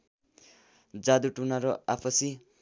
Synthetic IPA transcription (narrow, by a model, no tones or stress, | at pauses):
d͡zad̪uʈunaɾʌapʰʌsi